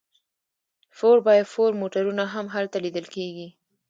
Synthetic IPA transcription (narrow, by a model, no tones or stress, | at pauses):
foɾbɑjad̪foɾmoʈaɾunaɦamɦalt̪alid̪əlkeɡi